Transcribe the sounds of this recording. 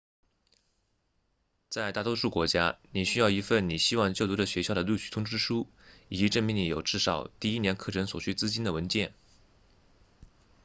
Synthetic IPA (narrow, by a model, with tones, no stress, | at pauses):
t͡sa˥˧ɪt̪a˥˩t̪wɔ˥ʂu˥˩kwɔ˧˥t͡ɕja˥ni˨˩ɕy˥jɑ˥˩ʊi˧˥fə˥˩nni˨˩ɕi˥wɑ˥˧ŋt͡ɕjo˥˩ʊt̪u˧˥də˨ɕɥɛ˧˥ɕjɑ˥˩ʊd̪ə˩lu˥˩ɕy˥˩t̪ʰʊ˥ŋʈ͡ʂɻ̩˥ʂu˥ | i˨˩t͡ɕi˧˥ʈ͡ʂə˥˩nmi˧˥ŋni˧˥jo˨˩ʊʈ͡ʂɻ̩˥˩ʂɑ˨˩˦ʊt̪i˥˩i˥njɛ˧˥nkʰɤ˥˩ʈ͡ʂʰə˧˥nswɔ˨˩t͡ɕʰy˥t͡sɹ̩˥t͡ɕi˥nd̪ə˨˩wə˧˥nt͡ɕjɛ˥˩n